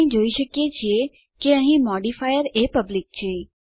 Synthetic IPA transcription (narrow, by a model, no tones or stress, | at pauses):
ĩd͡ʒoːiʃəkijet͡ɕʰie | keəɦĩmɔɖifajəɾepəblɪk̚t͡ɕʰeː